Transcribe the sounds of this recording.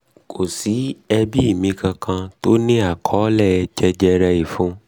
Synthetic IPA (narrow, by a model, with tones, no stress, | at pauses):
kʰo˨si˨˦ɛ˧bi˦i˦˨mĩ˧kã˧kʰã˧to˦nĩ˦a˨kʰɔ˨˦lɛ˦˨ɛ˧d͡ʒɛ˧d͡ʒɛ˧ɾɛ˧i˨fũ˨˦